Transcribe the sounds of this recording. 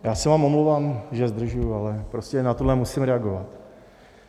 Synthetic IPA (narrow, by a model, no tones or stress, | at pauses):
jaːsɛvaːmomlowvaːmʒɛzd̪r̩ʒujualɛpɾoscɛnat̪udlɛmusɪmɾɛaɡovat̪